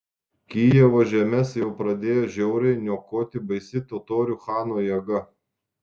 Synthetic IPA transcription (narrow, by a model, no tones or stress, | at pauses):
kʲiːjɛʋoːʒʲɛmʲɛsjɛʊpɾɐd̪ʲeːjoːʒʲɛʊɾʲɛɪnʲuːkoːt̪ʲɪbɐɪsʲɪt̪oːt̪oːɾʲuxɑːnoːjɛɡɐ